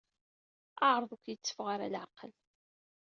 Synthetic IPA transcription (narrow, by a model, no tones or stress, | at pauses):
aʕɾˤðˤəkʷjət͡sːə̥fʁaɾa̰lʕaqəl